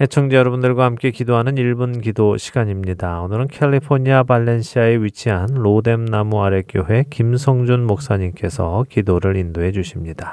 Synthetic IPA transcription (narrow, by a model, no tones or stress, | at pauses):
het͡ɕʰʌŋd͡ʑejʌɾʌbundɯɭɡwahamk͈e̞kidoɦanɯniɭbunkidoɕʰi̥ɡ̥aɲimɲidaonɯɾɯnkʰeʎːipʰoɲiabaɭːe̞nɕʰiae̞ɥit͡ɕʰiɦanɾode̞mnamuaɾe̞k͈joɦe̞kimsʰʌŋd͡ʑunmok̚s͈aɲimk͈e̞sʰʌkidoɾɯɾindoɦe̞d͡ʑuɕʰimɲid̥a